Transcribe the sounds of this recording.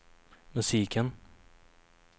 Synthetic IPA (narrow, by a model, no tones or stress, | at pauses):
mɵsiːkən